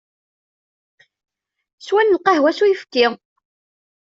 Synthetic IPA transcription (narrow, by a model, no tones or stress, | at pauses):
swænlqɑhwæsujəfkːɪ